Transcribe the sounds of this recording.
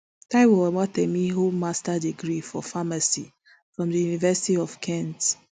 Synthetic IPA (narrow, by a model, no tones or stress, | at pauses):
taɪwɔwɔwatemiɦomastadiɡɾifɔ̰famasi | fɹɔ̃mdəjunivɛsi̥tiɔfkʰɛ̃nt